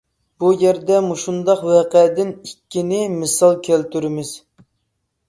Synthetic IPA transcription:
b̥ujɛɾd̪ɛmuʃund̪ɑqwɛqɛd̪ɪnikʲːinɪmɨsɑlˠkʲʰɛlt̪yɾɪmɪz̥

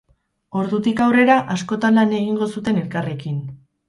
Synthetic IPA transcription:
o̞ɾðut̪ikawre̞ɾaʔasko̞t̪anlaneɣ̞iŋɡo̞sut̪e̞ne̞lkare̞kin

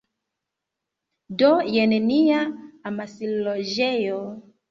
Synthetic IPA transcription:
dojeneniaːmasiloʒejo

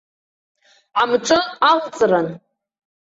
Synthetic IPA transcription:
ʕamʈ͡ʂʷʼɨalt͡sʼran

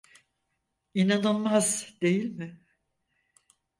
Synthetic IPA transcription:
inanɯlˠmazd̪e̞jilʲmɪ

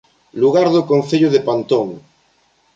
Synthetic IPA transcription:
luɣaɾðokõnθeʎoðepant̪oŋ

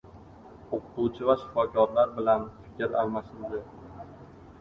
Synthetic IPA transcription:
oqʰʊt̪ut͡ʃʰɪvaʃɪ̥fɒkʲʰɒɾlaɾbɪlanfɪ̥kʲɪɾalˠmasɪld̪ɪ

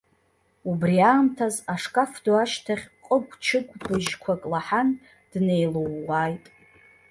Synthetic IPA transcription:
ubriaːmtʰazaʂkʼafduaʃtʰaχʲqʼəɡʷʼt͡ʃʰɨɡʷʼbɨʒkʷʰakʼlaħan | d̥ne̞jlowːaːjtʼ

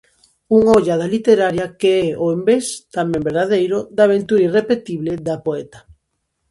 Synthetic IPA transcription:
uŋaoʎað̞alit̪eɾaɾjakeɛoembest̪amɛ̃mbeɾðað̞ejɾʊd̪aβ̞ent̪uɾirepet̪iβleðapoɛt̪ḁ

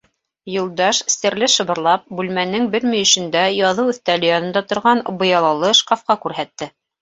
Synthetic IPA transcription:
jŏlˠd̪ɑʃsɘ̆ɾlɘʃɤ̆βɤ̆ɾlˠɑp̚bʉlmænɘŋbɘɾmɵ̆jɵ̆ʃɘ̆nd̪æjɑðɤwʉ̆θt̪ælɘ̆jɑnɤ̆nd̪ɑt̪ŏɾʁɑnbŏjɑlˠɑlˠɤʃqɑfqɑkʉɾɦæt̪ːɘ

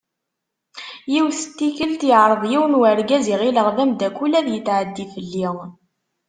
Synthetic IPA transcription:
jiwθət̪ːikəlt̪iʕɾˤəðˤjiwnwəɾɡæziʁiləʁðæmd̪ækːulæðjət̪ːʕəd̪ːifəlːiʁ

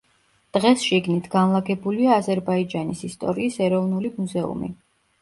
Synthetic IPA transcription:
d̪̥ʁɛsʃiɡnit̪ʰɡanlˠaɡɛbuliaːzɛɾbaid͡ʒanisist̪ʼɔ̰ɾiːsɛɾɔvnulimuzɛṵmḭ

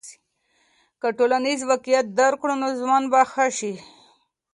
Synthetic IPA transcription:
kaʈolanizwakijat̪̚d̪aɾkɽonozwɑnbaxaʃi

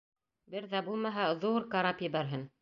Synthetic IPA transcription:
bɘɾðæbulˠmɑɦɑðuɾkaɾɑpjɘ̆βæɾɦɘn

